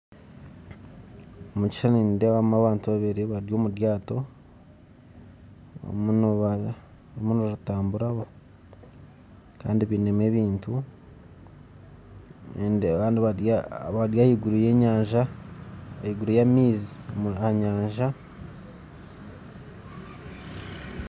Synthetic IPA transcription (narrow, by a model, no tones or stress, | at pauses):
omuci̥ʃanindewamaβaːntuβaβeɾeβaɾjo̞ːmuɾjaːto̞ | o̰munoβa | omunoɾutaːmbuɾaβo | ka̰ːndiβiːneme̞ːβiːntu | endβaːndiβajaβaɾjaːhiɡuɾuje̞ːɲaːɲʒaː | hiɡuɾujamiːziɲaːɲʒa